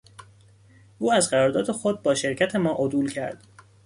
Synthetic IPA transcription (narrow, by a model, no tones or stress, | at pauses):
ʔuːæzɢæɾɒːɾd̪ɒːd̪e̞xo̞d̪̚bɒːʃe̞ɾcʰæt̪ʰe̞mɒːʔod̪uːlcʰæɾd̪̥